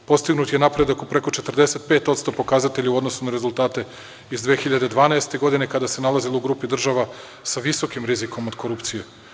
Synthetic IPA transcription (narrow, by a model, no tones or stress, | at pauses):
po̞st̪iɡnut̪je̞napɾe̞d̪akupɾe̞ko̞t͡ʃe̞t̪r̩d̪e̞se̞t̪̚pe̞ːt̪ot̪st̪o̞po̞kazat̪eʎauo̞d̪nosunaɾe̞zulˠt̪aːt̪e̞ | izd̪ʋexiʎad̪ed̪ʋaːnaest̪e̞ɡo̞d̪ine̞kad̪ase̞nalazilˠouɡɾuːpid̪r̩ʒaʋa | saʋiso̞kimɾiziko̞mod̪koɾupt̪sije